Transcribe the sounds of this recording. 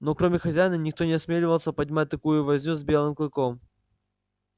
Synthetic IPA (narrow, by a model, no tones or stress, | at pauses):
nokɾomʲɪxɐzʲæjnənʲɪk̚t̪o̞nʲɪɐsmʲelʲɪvəlˠsʲəpɐdʲmat̚ʲt̪ɐkujʊvɐzʲnʲuzʲbʲe̞lˠɨmklˠɨko̞m